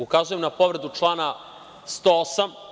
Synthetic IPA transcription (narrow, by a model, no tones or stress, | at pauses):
ukazuje̞mnapo̞ʋɾe̞d̪ut͡ʂlˠaːna | st̪oosam